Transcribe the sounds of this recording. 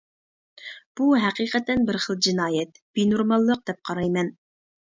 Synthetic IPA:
b̥uɦæqiːqət̪ɛnbɪɾχəlˠd͡ʒinɑːjɛt̪̚b̥inuɾmɑlˠːəq̚d̪̥ɛp̚qʰɑɾɑjmɛn

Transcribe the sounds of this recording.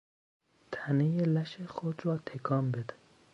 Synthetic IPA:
t̪ʰænejelæʃexod̪rɒːt̪ʰekʰɒːmbed̪

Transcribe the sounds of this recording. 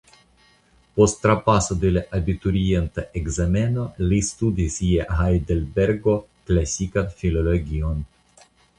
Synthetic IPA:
post̪ːɾapasod̪elaʔabit̪uɾient̪aʔeɡzameno̞list̪ud̪isieɦajd̪elbeɾɡo̞klasikanfilo̞loɡʲion

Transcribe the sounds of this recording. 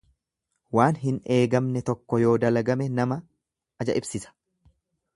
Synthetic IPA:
waːnɦɪne̞ːɡɐmnɛt̪ɔkːɔjo̞ːd̪ɐlɐɡɐmɛnɐmɐ | ɐd͡ʒɐ̰ʔɪbsɪsɐ̥

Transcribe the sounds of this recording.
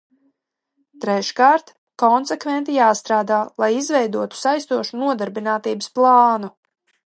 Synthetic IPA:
t̪ɾɛʃkaːɾt̪ | kɔnsɛkvɛnt̪ijaːst̪ɾaːd̪aːlˠajizvɛjd̪uɔt̪u̥sajst̪uɔʃunuɔd̪aɾbinaːt̪iːbəsplˠɑːnu

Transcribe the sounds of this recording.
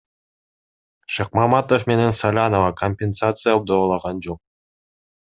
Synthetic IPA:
ʃɑq̚mɑmɑt̪ofme̞ne̞nsalʲanovɑkʰomʲpʲensat̪sɨjab̚d̪olˠɑʁɑnd͡ʒo̞q̚

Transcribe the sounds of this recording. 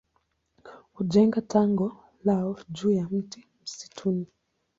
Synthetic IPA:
hud͡ʒɛŋɡataŋɡɔ | laɔd͡ʒuːjam̩ti | m̩si̥tʰuni

